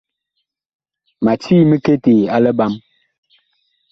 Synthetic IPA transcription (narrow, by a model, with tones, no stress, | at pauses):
ma˨t͡ʃiː˦mə˦ke˦te˨a˦lɛ˦ba˦m